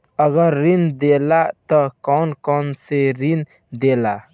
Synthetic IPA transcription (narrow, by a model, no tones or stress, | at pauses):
əɡəɾːind̪eːlat̪əkɔːnkɔːnseɾin | d̪eːla